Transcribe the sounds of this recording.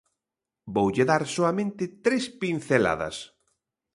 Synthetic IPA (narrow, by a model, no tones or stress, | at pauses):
bowʎeðaɾsoamẽnt̪ɪt̪ɾespin̟θela̰ðɐ̰s